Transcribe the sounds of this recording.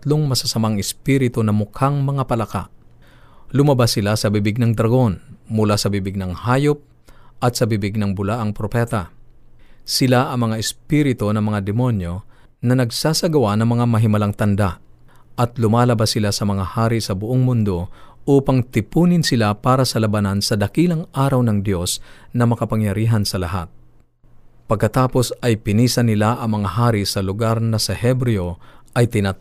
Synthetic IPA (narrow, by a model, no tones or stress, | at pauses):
t̪loŋmɐsɐsɐmaŋɪspiɾɪt̪onɐmʊkʰaŋmɐŋapɐlɐka̰ʔ | lʊmɐbasɪlasɐbibɪɡnɐŋd̪ɾɐɡo̞nmʊlasɐbibɪɡ̚nɐŋhaːjop̚ | ʔɐt̪sɐbibɪɡ̚nɐŋbʊlaʔɐŋpɾopɛt̪ɐ | sɪlaʔɐŋmɐŋaʔɪspiːɾɪt̪onɐŋmɐŋad̪ɛmonjo̞ | nɐnɐɡsaːsɐɡɐwanɐŋmɐŋamɐɦɪmɐlaŋt̪ɐnd̪aʔ | ʔɐt̪lʊmaːlɐbasɪlasɐmɐŋahaːɾisɐbʊʔoŋmʊnd̪o̞ʔuːpaŋt̪ɪpuːnɪnsɪlapaːɾɐsɐlɐbɐnansɐd̪ɐkiːlɐŋʔaːɾɐwnɐŋd̪jo̞snɐmɐkɐpɐŋjɐɾiːɦɐnsɐlɐɦa̰t̪̚ | pɐɡ̚kːɐt̪aːpo̞sɐjpɪniːsɐnɪlaʔɐŋmɐŋahaːɾisɐlʊɡaɾnɐsɐhɛbɾɛo̞ʔɐjt̪ɪna